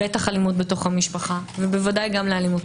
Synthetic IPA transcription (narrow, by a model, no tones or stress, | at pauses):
etaχalimut̚beto̞χhamiʃpaχavebevadajɡamlealimut